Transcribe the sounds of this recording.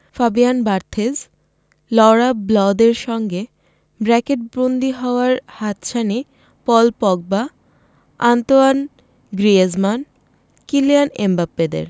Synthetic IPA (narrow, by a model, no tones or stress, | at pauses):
fabianbaɾt̪ʰez | lɔɽablɔd̪eɾʃɔŋɡe | bɾɛkeʈ̚bɾond̪iɦɔoaɾhat̪ʃani | pɔlpɔɡ̚ba | ant̪oan | ɡɾiezman | kilianembapːed̪ḛɾ